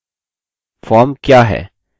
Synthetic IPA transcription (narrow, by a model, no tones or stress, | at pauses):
fɔːɾmkjaːɦɛ̰ː